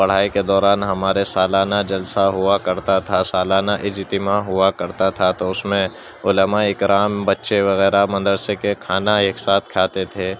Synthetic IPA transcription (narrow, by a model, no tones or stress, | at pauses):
pɐɽ̤aːiked̪ɔːɾaːnɦɐmaːɾesaːlaːnad͡ʒɐlsaɦʊakɐɾt̪at̪ʰasaːlaːnaʔɪd͡ʒɪt̪ɪmaɦʊakɐɾt̪at̪ʰat̪oʊsmẽ | ʊləmaɪkɾaːmbɐtːʃeʋɐɣɛːɾamɐ̃nd̪əɽsekekʰaːnaeːksaːt̪ʰkʰaːt̪et̪ʰeː